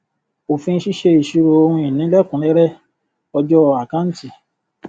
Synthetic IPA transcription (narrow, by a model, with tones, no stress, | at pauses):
o˨fĩ˧n̩˦ʃi˦ʃe˧i˨ʃu˧ɾo˧o˧hũ˧i˨nĩ˨˦lɛ˦kũ˨˦lɛ˦ɾɛ˦ | ɔ˧d͡ʒɔ˦˧a˨kã˦n̩˦ti˨